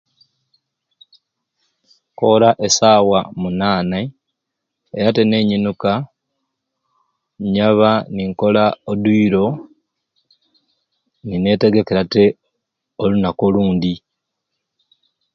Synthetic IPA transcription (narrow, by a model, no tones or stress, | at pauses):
ko̞laʔe̞saːwamunaːne | eɾate̞ne̞ɲinuka | ɲaβaniŋko̞laoduiɾo̞ | nine̞te̞ɡe̞ke̞ɾate̞ | olunakoluːndi